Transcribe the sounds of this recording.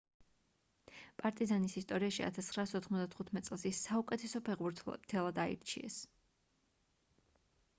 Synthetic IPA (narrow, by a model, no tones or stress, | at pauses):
pʼaɾt̪ʼizanisist̪ʼɔɾiaʃia̰t̪ʰasχɾaːsɔt̪ʰχmɔzd̪at̪ʰχut̪ʰmɛt̪sʼɛlˠsisaukʼɛt̪ʰɛsɔpʰɛʁbuɾʰt̪ʰɛlˠad̪aḭɾt͡ʃʰiɛ̰s